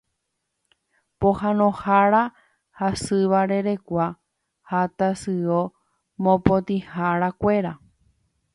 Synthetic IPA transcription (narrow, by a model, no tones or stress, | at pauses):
pohãnõhaɾa | hasɨʋaɾe̞ɾe̞kʷa | hat̪asɨo | mõpot̪ĩhaɾakʷe̞ɾa